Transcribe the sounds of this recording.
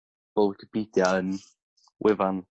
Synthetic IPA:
b̥owdəb̥id̥jaən | wʔɪvan

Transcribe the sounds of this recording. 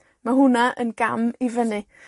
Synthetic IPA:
maɦʊnaʔə̰nɡamivənɨ

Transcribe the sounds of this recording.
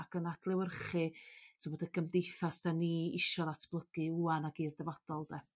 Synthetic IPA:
aɡ̥ənadʰlˠɛwərχɨtʰəmɔdəɡʰəmdejθasd̥aniːɪʃɔðatʰb̥lˠəɡ̥ɨuanaɡiːrdɛvɔd̥ɔlˠd̥ɛ

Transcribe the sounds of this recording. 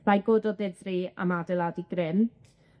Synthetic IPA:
majɡoːdɔðɛdria̰madɛlˠadiɡ̥rɪn

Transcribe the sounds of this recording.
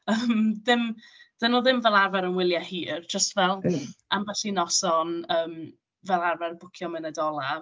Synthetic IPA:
əːmðɪmd̥ənʊlˠðɪmvɛlˠarvɛɾənwɪlˠjahiːrd͡ʒəstvɛlˠamvɛɬinɔsɔnəːm | vɛlˠarvɛrbʊkʰjɔmənədɔlˠa

